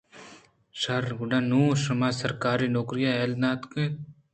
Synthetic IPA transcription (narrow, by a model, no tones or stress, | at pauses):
ʃɐɾɡʊɖanuːʃɐmaːsɐɾkaːɾiːnoːkɾijaɛːlnaːt̪ke